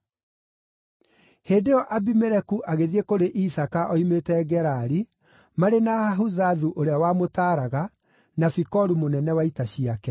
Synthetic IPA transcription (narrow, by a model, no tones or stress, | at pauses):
heːndejɔʔabimɛɾɛkuʔaɣeðiekoɾeʔisakaʔɔimetɛɡɛɾaɾi | maɾenahaɦuzaðuʔoɾeawamotaːɾaɣa | nafikɔɾumonɛnɛwaitaɕiakɛ